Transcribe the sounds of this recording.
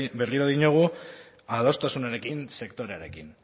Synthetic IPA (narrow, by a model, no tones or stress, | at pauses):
be̞riɾoðiɲoɣ̞u | aðo̞st̪asunaɾe̞kinse̞kt̪o̞ɾeaɾe̞kin